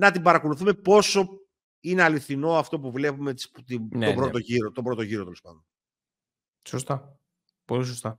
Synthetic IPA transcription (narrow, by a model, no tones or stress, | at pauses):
nɐt̪ibɐɾɐko̞luθume̞po̞so̞ | ineɐliθino̞ɐft̪o̞puvle̞pume̥pt̪inobɾo̞t̪o̞ʝiɾot̪o̞bɾo̞t̪oʝiɾot̪elspɐ̰nd̪on | sost̪ɐ | polisost̪ɐ